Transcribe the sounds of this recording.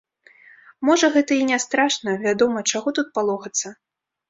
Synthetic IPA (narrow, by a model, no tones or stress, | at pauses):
mɔʐɐɣɛt̪ɐinʲast̪ɾaʂnɐvʲad̪ɔmɐt͡ʂaɣɔt̪ut̪̚palˠɔxɐt̪sːɐ